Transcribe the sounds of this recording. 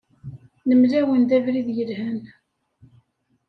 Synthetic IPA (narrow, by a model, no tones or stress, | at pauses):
nəmlæwənd̪ævɾiðjəlhæn